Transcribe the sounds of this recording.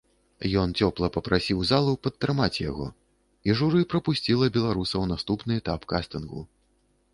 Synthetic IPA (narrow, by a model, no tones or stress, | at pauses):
jɔnt͡sʲɔplˠɐpɐpɾasʲiwzalˠupɐt̪ːɾɨmat͡sʲja̰ɣɔ̰ | iʐuɾɨpɾɐpusʲt͡sʲilˠɐbʲɛlˠaɾusɐwnast̪upnɨɛt̪apkast̪ɨnɣṵ